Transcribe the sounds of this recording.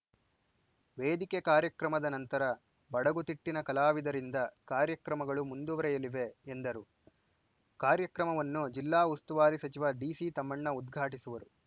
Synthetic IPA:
ʋeːd̪ikekaːɾjɐkɾɐmɐd̪ɐnɐnt̪ɐɾɐ | bɐɽɐɡut̪iʈːinɐkɐlaːʋid̪ɐɾind̪ɐkaːɾjɐkɾɐmɐɡɐɭumund̪uʋɐɾɐjɐliʋe̞ːnd̪ɐɾu | kaːɾjɐkɾɐmɐʋɐnːud͡ʒilːaːust̪uʋaːɾisɐt͡ʃiʋɐɖiːsit̪ɐmːɐɳːɐud̪ɡʱaːʈisuʋɐɾu

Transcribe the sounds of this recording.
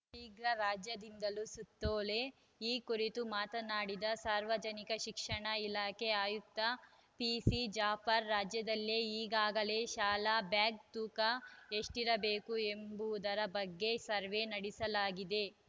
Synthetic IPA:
tiːɡɾɐɾaːd͡ʒjɐd̪ind̪ɐlusut̪ːoːle̞ | iːkuɾit̪umaːt̪ɐnaːɽid̪ɐsaːɾʋɐd͡ʒɐnikɐʃikʂɐɳɐilaːke̞aːjuk̚t̪ɐ | pisid͡ʒaːpʰɐɾːaːd͡ʒjɐd̪ɐlːeiːɡaːɡɐle̞ʃaːlabjaːɡ̚t̪uːkɐeʂʈiɾɐbe̞ːkuembuʋud̪ɐɾɐbɐɡːe̞sɐɾʋe̞nɐɽisɐlaːɡid̪e̞

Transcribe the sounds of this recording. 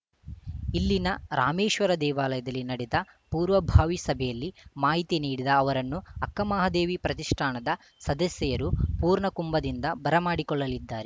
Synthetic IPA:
ilːinɐɾaːmeːʂʋɐɾɐd̪ɛːʋaːlɐjɐd̪ɐlːinɐɽɛd̪ɐ | puːɾʋɐbʱaːʋisɐbʱɛjɐlːimaːɦit̪iniːɽid̪ɐːʋɐɾɐnːuɐkːɐmaːɦɐd̪eːʋipɾɐt̪iʂʈʰaːɳɐd̪ɐ | sɐd̪ɐsjɐjɐɾupuːɾɳɐkumbɐd̪ind̪ɐbɐɾɐmaːɽikɔɭːɐlid̪ːaːɾe

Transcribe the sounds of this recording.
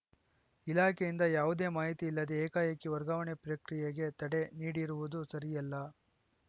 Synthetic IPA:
ilaːkʰejind̪ɐjaːʋud̪e̞ːmaːɦit̪iːlːɐd̪eːkaːjɐkːiʋɐɾɡaːʋɐɳepɾɐkɾijeɡe̞t̪ɐɽe̞niːɽiɾuʋud̪usɐɾijɐlːɐ

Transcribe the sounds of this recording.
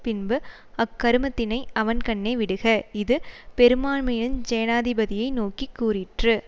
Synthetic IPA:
pɪnbɯ | ɐkːɐɾɯmɐt̪ːɪnɐɪɐʋɐnkɐɳːeːʋɪɽɯɣɐɪðɯpɛɾɯmaːɳmɐjɪɯnd͡ʒɛːɐnaːðɪbɐðɪjɐɪnoːkikːuːrɪʈrɯ

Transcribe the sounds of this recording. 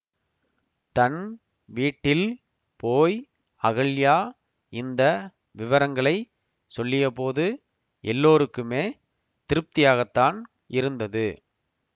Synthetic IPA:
t̪ɐn | ʋiːʈːɪl | poːj | ɐɣɐɭjaː | ɪnd̪ɐ | ʋɪʋɐɾɐŋɡɐɭɐɪ | sɔlːɪjɐpoːðɯ | ʔɛlːoːɾɯkːɯmeː | t̪ɪɾɯp̚t̪ɪjaːɣɐt̪ːaːn | ʔɪɾɯnd̪ɐðɯ

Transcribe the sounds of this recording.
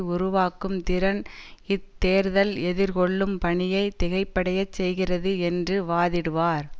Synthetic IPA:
ʊɾʊʋaːkɯmt̪ɪɾɐnɪt̪ːeːɾðɐlɛðɪɾkɔɭːɯmpɐɳɪjɐɪt̪ɛɣɐɪpːɐɽɐjɐt͡ʃsɛjɣɪrɐðɯɛndrɯʋaːðɪɽɯʋaːɾ

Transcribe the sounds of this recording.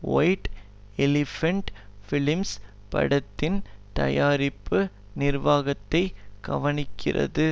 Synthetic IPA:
ʋɐ̰jʈ | ɛlɪfɐɳʈfɪlɪms | pɐ̰ɽɐt̪ːɪnt̪ɐ̰jaːɾɪpːɯ | nɪrʋaːɣɐt̪ːɐɪɡɐ̰ʋɐnɪkʰːɪrɐ̰ðɯ

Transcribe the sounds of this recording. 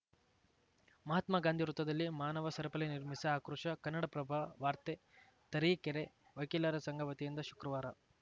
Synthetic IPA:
mɐɦɐt̪maːɡaːnd̪ʱiɾut̪ːɐd̪ɐlːimaːnɐʋɐsɐɾɐpɐleniɾmisɐaːkɾuʃɐkɐnːɐɽɐpɾɐbʱaʋaːɾt̪e | t̪ɐɾiːkeɾe | ʋɐjkilaɾɐsɐŋɡʱɐʋɐt̪ijind̪ɐʃu̥kɾɐʋaːɾɐ

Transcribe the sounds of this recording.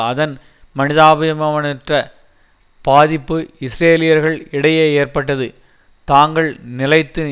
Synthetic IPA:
ɐðɐn | mɐnɪðaːbɐjɐmɐʋɐnɐʈrɐ | b̥aːðɪpːɯɪsɾeːlɪjɐɾɣɐɭɪɽɐjeːeːrpɐʈːɐðɯ | t̪aːŋɡɐɭnɪlɐɪt̪ːɯ

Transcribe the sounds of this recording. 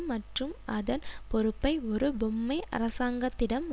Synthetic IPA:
ɐʈrɯmɐðɐnpɔɾɯpːɐɪɔɾɯbɔmːɐɪʔɐ̰ɾɐsaːŋɡɐt̪ːɪɽɐmː

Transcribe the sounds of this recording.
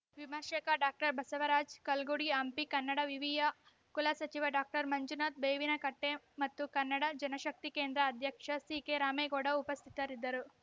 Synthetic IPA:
ʋimɐːʃɐkɐɖaːk̚ʈɐɾbʱɐsɐʋɐɾaːd͡ʒkɐlɡuɽiɐmpikɐnːɐɽɐʋiʋijɐ | kulɐsɐt͡ʃiʋɐɖaːk̚ʈɐɾmɐɲd͡ʒunaːt̪̚beːʋinɐkɐʈːe | mɐt̪ːukɐnːɐɽɐd͡ʒɐnɐʃɐk̚t̪ikeːnd̪ɾɐːd̪ʱjɐkʂɐsiːkeɾaːmeːɡoːɽɐupɐst̪ʰi̥t̪ɐɾid̪ːɐɾu

